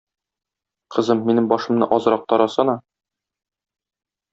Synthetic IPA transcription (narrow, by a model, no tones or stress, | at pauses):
qɤ̆zɤmːinɘmbɒʃɤ̆mnɤ̰ʔɒzɾɑq̚t̪ɒɾɑsɤnɑ